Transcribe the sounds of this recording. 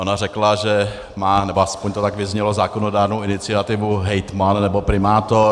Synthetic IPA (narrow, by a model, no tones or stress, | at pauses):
o̞narɛklaʒɛ | maːnɛboaspoɲt̪ot̪akvɪzɲɛlo̞zaːkonodaːɾnowɪnɪt͡sɪat̪ɪvuɦɛjt̪mannɛbo̞pɾɪmaːt̪oɾ